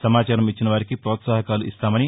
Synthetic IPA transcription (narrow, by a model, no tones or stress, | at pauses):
sɐmaːt͡ʃaːɾɐmit͡ʃːinɐʋaːɾikipɾɔːt̪saːɦɐkaːluʔist̪aːmɐni